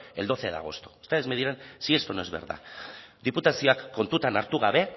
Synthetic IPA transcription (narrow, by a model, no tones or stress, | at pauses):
e̞ld̪o̞θeaða̰ɣ̞o̞st̪o̥st̪eezmeðiɾensiest̪onoezβḛɾða̰d̪iput̪asio̞akːo̞nt̪ut̪anaɾt̪uɣaβe̞